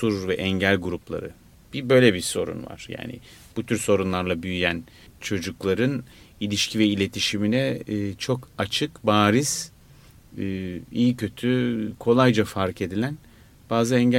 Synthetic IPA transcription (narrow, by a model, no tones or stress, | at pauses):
soɾuɾvɛʔɛɲɟælʲɡuɾuplˠa̰ɾɯ̰ | b̥ibø̞jlʲebiso̞ɾṵnva̰ɾ̥ja̰ːnɪ̰ | b̥ut̪ʰyɾso̞ɾunlˠaɾlˠabyjyjæn | t͡ʃʰo̞d͡ʒuklˠaɾɯnilʲiʃcʰivɛilʲe̞t̪ʰiʃiminɛːt͡ʃʰo̞kʰat͡ʃʰɯkbaːɾiz̥ | ijicʰø̞t̪ʰykʰo̞lˠajd͡ʒafaɾke̞d̪ilʲæn | b̥aːzɯɛɲɟ